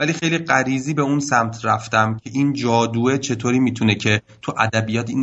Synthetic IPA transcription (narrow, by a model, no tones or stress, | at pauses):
vælixe̞jliɢæɾiːziːbeunsæmt̪ʰɾæft̪æmcʰe̞ʔiːnd͡ʒɒːd̪uːe̞t͡ʃʰe̞t̪ʰoːɾiːmiːt̪ʰune̞cʰe̞ | t̪ʰuʔæd̪æbijɒːt̪in